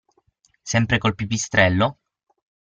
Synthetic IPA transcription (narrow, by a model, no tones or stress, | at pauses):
sɛmpɾekolpipist̪ɾɛlːo